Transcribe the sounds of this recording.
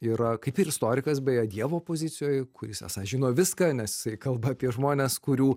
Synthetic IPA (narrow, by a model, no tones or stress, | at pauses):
iːɾɐkɐɪpʲɪɾɪst̪oːɾʲɪkɐsbʲɛːjɐd̪ʲiɛʋoːpoːzʲɪt͡s̪ʲɪjoːjkʊɾʲɪsɛ̰sɐʒʲɪnoːʋʲɪskɑːnʲɛsjɪ̥sɐɪkɐlˠbɐːpʲiɛʒmoːnʲeːskʊɾʲuː